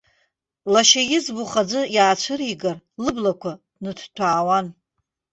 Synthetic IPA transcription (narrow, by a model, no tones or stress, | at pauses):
laʃajɪzbuχad͡zɨjaːt͡ɕʷʰɨriɡarlɨblakʷʰa | nɨdʰtʰaːwan